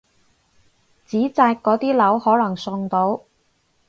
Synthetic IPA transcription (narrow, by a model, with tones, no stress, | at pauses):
t͡siː˨˥t͡saː˧kːɔː˨˥t̪iː˥lɐ˨˥whɔː˨˥lɐ˨˩ŋsʊ˧ŋt̪o˨˥w